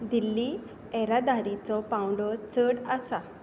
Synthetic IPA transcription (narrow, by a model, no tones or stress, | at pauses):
d̪ilːi | ɛɾad̪aɾit͡sɔpãwɳɖɔt͡səɽasa